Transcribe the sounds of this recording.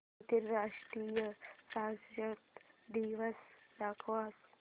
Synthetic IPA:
t̪iɾɾaʂʈɾiːjəsasd͡ʒət̪d̪iʋəsd̪akʰʋas

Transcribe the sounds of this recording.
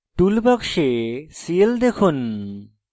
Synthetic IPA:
ʈulbakʃesield̪ekʰun

